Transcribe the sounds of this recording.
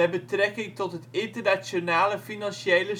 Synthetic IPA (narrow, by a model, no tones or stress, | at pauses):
ɛbətrɛkɪŋtɔtɦətɪntərnasjonaːləfinanʃejlə